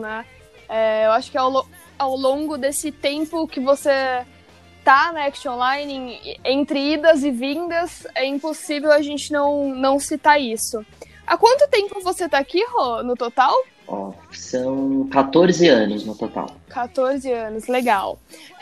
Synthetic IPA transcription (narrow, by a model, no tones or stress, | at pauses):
nɛ | ɛewaʃʊ̥kɪawlõ | awlõŋɡʊd̪esɪt̪ẽmpʊkɪvose | t̪anɐɛkst͡ʃõlajnɪ̃ẽnt̪ɾɪid̪ɐzɪvĩnd̪ɐzɛĩmposivewɐʒẽnt͡ʃɪnɐ̃w̃nɐ̃w̃sit̪aɾisʊ | akwɐ̃nt̪ʊt̪ẽmpʊvoset̪akihɔnʊt̪ot̪aw | ɔ̰sɐ̃w̃kat̪oɾzɪɐ̃nʊznʊt̪ot̪a̰wkat̪oɾzɪɐ̃nʊsleɡaw